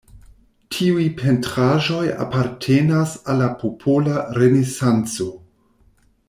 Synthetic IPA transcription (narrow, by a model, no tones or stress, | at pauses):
tʰiujpʰe̞ntɾaʒo̞ja̰paɾtʰenasalːapʰopʰolaɾe̞nesant͡so̞